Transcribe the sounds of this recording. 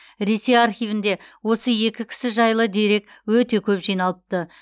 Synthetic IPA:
ɾe̞se̞jaɾχijvɪnd̪e̞wo̞səje̞kʲɪkʲʰɪ̥sɪʒɑjlˠəd̪e̞ɾe̞k | wɵt̪e̞kʲʰɵpʒijnɑlˠəp̚t̪ə

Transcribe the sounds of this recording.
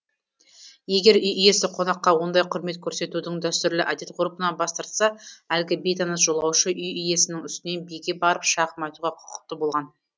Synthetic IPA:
je̞ɡʲe̞ɾʏjʏje̞sɪqʰo̞nɑqːɑwo̞nd̪ɑjqʰʊɾme̞t̪̚kʲʰɵɾse̞t̪ud̪ɪŋd̪æst̪ʏɾlɪʔæd̪e̞t̪qʰʊɾupənɑbɑst̪ɑɾt̪sɑælɡʲɪbe̞jt̪ɑnɑsʒ̥o̞lˠɑwʃəʔʏjʏje̞sɪnɪŋʏst̪ɪne̞nbejɡʲe̞bɑɾəpʃɑʁəmɑjt̪uʁɑqʰʊ̥qə̥q̚t̪ːəbo̞lˠʁɑn

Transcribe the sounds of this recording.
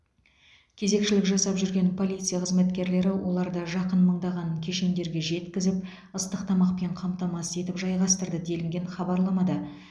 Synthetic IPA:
kʲʰe̞ze̞kʃɪlɪkʒɑsɑpʒʏɾɡʲe̞npʰo̞lʲˠijt̪sɨjaqəzme̞t̪kʲe̞ɾle̞ɾɪwʔo̞lˠɑɾd̪ɑʒɑqənməɴd̪ɑʁɑnkʲʰe̞ʃe̞nd̪e̞ɾɡʲe̞ʒe̞t̪kʲɪzɪp | əst̪əqt̪ʰɑmɑqpeɴqʰɑmt̪ɑmɑse̞t̪ɪpʒɑjʁɑst̪əɾd̪əd̪e̞lɪŋɡʲe̞ɴχɑbɑɾlˠɑmɑd̪ə

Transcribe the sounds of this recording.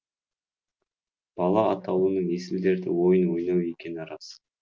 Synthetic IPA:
b̥ɑlˠɑɑt̪ɑw̪ənəɴesɪld̪e̞ɾd̪ɪ̰wo̞jənwo̞jnɑwe̞kʲe̞nɾɑs

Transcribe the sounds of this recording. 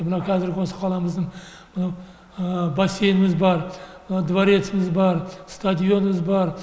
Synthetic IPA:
mɪnawkʰæzɪɾɡʲɪwo̞sə̥qʰɑlˠɑmɪzd̪ɪŋ | mɪnaw | base̞jɪmɪzbɑɾmnawd̪vaɾe̞t̪sɪmɪzbɑɾst̪ad̪ijo̞nɪmɪzbɑɾ

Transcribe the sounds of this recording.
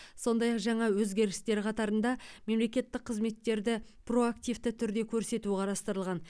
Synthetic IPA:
so̞nd̪ɑjɑqʒɑɴɑwɵzɡʲe̞ɾɪst̪e̞ɾqʰɑt̪ɑɾənd̪ɑme̞mle̞kʲe̞t̪ːɪq̚ʰːəzme̞t̪ːe̞ɾd̪ɪ | pro̞akt̪ijvt̪ɪt̪ʰʏɾd̪e̞kʲʰɵɾse̞t̪uɪqʰɑɾɑst̪əɾəlˠʁɑn

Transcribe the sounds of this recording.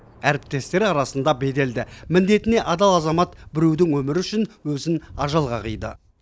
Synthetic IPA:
æɾɪp̚t̪e̞st̪e̞ɾɑɾɑsənd̪ɑbe̞d̪e̞ld̪ɪmɪnd̪e̞t̪ɪne̞ʔɑd̪ɑlˠɑzɑmɑt̪bɪɾuwd̪ɪŋwɵmɪɾʏʃɪnwɵzɪnɑʒɑlˠʁɑqəjd̪ə̰

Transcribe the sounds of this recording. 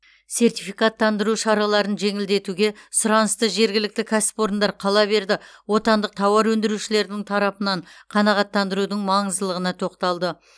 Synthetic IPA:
se̞rt̪ijfijkɑt̪ːɑnd̪əɾuʃɑɾɑlˠɑɾənʒe̞ŋɪld̪e̞t̪uɡʲe̞sʊɾɑnəst̪əʒe̞ɾɡʲɪlɪk̚t̪ɪkʲʰasɪ̥po̞ɾənd̪ɑɾqʰɑlˠɑbe̞ɾd̪ɪwo̞t̪ɑnd̪əq̚t̪ʰɑwɑɾwɵnd̪ɪɾuʃɪle̞ɾd̪ɪŋt̪ʰɑɾɑpənɑɴqʰɑnɑʁɑt̪ːɑnd̪əɾud̪əɴmɑɴəzd̪əlˠəʁənɑt̪ʰo̞qt̪ɑlˠd̪ə

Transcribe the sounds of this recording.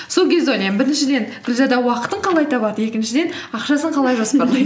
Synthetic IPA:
so̞lˠkʲʰe̞zd̪eojlɑjmbɪɾɪnʃɪd̪e̞nɡ̥ʲɪlʲzɑd̪ɑwɑqət̪əɴqʰɑlˠɑjt̪ʰɑβɑd̪əe̞kʲɪnʃɪd̪e̞n | ɑqʃɑsəɴqʰɑlˠɑjʒosəpɑɾlˠɑj̪

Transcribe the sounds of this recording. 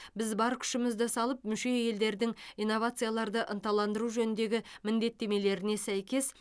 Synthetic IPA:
bɪzbɑɾkʲʰʏ̥ʃɪmɪzd̪ɪsɑlˠəp̚mʏʃe̞je̞ld̪e̞ɾd̪ɪŋijnːo̞vat̪sɨjalˠɑɾd̪əʔənt̪ɑlˠɑnd̪əɾuʒɵnɪnd̪e̞ɡʲɪmɪnd̪e̞t̪ːe̞me̞le̞ɾɪne̞sæjkʲe̞s

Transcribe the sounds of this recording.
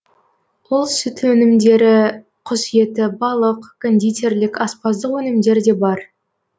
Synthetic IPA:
wolˠsʏt̪wɵnɪmd̪e̞ɾɪ | qʰʊzije̞t̪ɪbɑlˠəqkʰonʲd̪ijt̪ʲe̞ɾlɪkʲɑspɑzd̪əqwɵnɪmd̪e̞ɾd̪e̞bɑɾ

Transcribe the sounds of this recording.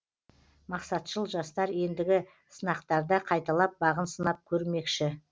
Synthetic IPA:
mɑqsɑt̪ʃəlˠʒɑst̪ɑɾje̞nd̪ɪɡʲɪ | sənɑqt̪ɑɾd̪ɑqʰɑjt̪ɑlˠɑp̚bɑʁənsənɑp̚kʲʰɵɾme̞kʃɪ

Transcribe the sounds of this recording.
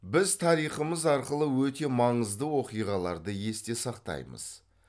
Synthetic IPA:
bɪzt̪ʰɑɾijχəməzɑɾqəlˠəwɵt̪e̞mɑɴəzd̪əwo̞qijʁɑlˠɑɾd̪əje̞st̪e̞sɑqt̪ɑ̰jmə̰z̥

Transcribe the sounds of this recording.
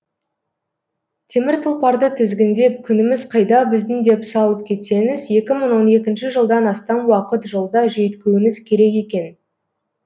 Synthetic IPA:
t̪ʰe̞mɪɾt̪ʰʊlˠpɑɾd̪ət̪ʰɪzɡʲɪnd̪e̞p̚kʲʰʏnɪmɪz̥qʰɑjd̪ɑbɪzd̪ɪŋd̪e̞psɑlˠəp̚kʲʰe̞t̪se̞ŋɪzje̞kʲɪməɴwo̞ne̞kʲɪnʃɪʒəlˠd̪ɑnɑst̪ɑnwɑqət̪ʒəlˠd̪ɑʒejt̪kʲewɪnɪzkʲʰe̞ɾe̞ke̞kʲe̞n

